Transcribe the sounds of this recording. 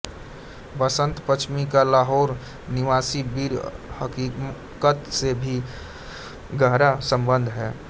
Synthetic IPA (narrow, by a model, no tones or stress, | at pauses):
bəsə̃nt̪pət͡ʃʰmikalaːɦoːɾ | nɪʋaːsibiːɾhəki | kət̪sebʱi | ɡəɦɾasə̃mbənd̪ʱɦɛː